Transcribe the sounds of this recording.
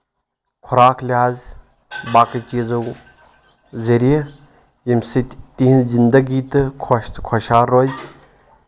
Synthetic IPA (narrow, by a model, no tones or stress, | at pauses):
kʰuɾaːklʲaːz | baːkɐt͡ʃizɐw | zɐɾie | jimsit̪iɦnzind̪ɐɡiːt̪ɨkʰoʃt̪kʰɔʃaːɾːoz